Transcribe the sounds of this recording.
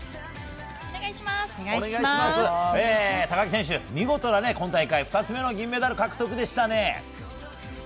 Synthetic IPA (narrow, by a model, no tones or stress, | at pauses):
eɡaɕima | asɨeːt̪aɡakʲisẽɕ̬ɨmʲiɡo̞t̪o̞nanekõ̞nt̪̬aikaiɸɯ̥t̪at͡sɨme̞noɡʲĩmːe̞d̪aɾɯ̟kakɯ̟t̪o̞kɯ̟d̪e̞ɕi̥t̪ane̞